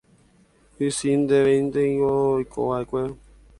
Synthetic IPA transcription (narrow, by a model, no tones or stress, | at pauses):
hɨsind̪eʋẽĩnd̪eĩojkʰo̰ʋaekʷe